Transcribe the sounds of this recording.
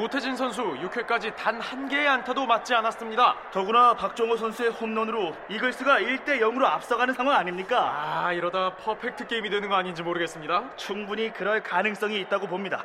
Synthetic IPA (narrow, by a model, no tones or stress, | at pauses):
motʰe̞d͡ʑinsʰʌns̬ʰujukʰek͈ad͡ʑitanhanɡe̞ːantʰadomat̚t͡ɕ͈ianas͈ɯmɲidatʌɡunapak̚t͡ɕ͈ʌŋosʰʌnsʰuehomnʌnɯɾoiɡɯɭs͈ɯɡaiɭt͈e̞jʌŋɯɾoap̚s͈ʌɡanɯnsʰaŋwaŋaɲimɲik͈aaiɾʌdapʰʌpʰe̞k̚tʰɯ̥k͈e̞imidwe̞nɯnɡʌaɲind͡ʑimoɾɯɡe̞s͈ɯmɲidat͡ɕʰuŋbuɲikɯɾʌɭkanɯŋs͈ʌŋiːt̚t͈aɡopomɲida̰